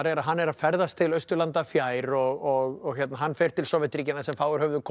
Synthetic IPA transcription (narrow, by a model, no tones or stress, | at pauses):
aɾɛɾaðɦanːɛɾafɛɾðast̪ʰɪlœɥst̪ʏlant̪afjaːjɾɔɣɔɣɔɣçɛt̪naɦanːfɛɾ̥t̪ʰɪlsɔvɛɪt̪ɾiːcɪnːasɛmfaːwɣʏɾ̥hœvðʏkʰ